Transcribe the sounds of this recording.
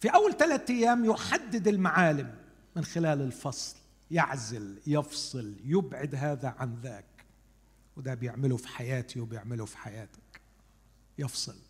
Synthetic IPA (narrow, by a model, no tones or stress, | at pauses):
fiʔawːalt̪alat̪ʔajːaːmjʊħad̪ːɪd̪ɪlmaʕaːlɪmː | ɪnxɪlaːlɪlfɑsˤl | jɪʕzɪljɪfsˤɨljɪbʕɪd̪ɦaːðaʕanðaːk | wɪd̪abjɪʕmɪlʊfi̥ħajaːt̪iwbjɪʕmɪlufi̥ħajaːt̪ḁk | jɪfsˤɨ̰l